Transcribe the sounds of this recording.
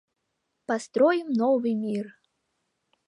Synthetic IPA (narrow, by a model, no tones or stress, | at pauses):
past̪ɾɔjimnɔvɨmʲir